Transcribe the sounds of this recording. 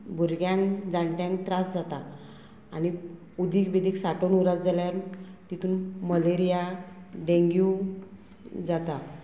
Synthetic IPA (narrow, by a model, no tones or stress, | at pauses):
bʱuɾɡjãŋd͡zaɳʈjãŋkt̪ɾasd͡zat̪aː | ni | ud̪ʱikbid̪iːksaʈonuɾat͡sd͡zaljaɾt̪it̪ʰuːnməleɾijaɖẽŋɡju | d͡zat̪a